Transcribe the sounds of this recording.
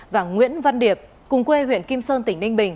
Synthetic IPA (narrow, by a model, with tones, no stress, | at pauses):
vaː˨˩ŋwḭ˧˥ənva˧nɗi˨˩əp̚ | kʊ˨˩ŋ͡mkwe˧wḭ˧˨ənki˧msəː˧nt̪ï˧˩ŋ̟nï˧ŋ̟ɓï˨˩ŋ̟